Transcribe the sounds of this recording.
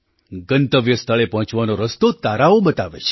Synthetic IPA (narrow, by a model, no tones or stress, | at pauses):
ɡənt̪əʋjəst̪ʰəɭepəɦɔ̃t͡ʃʋanoɾəst̪ot̪aɾaobət̪aʋet͡ʃʰe̥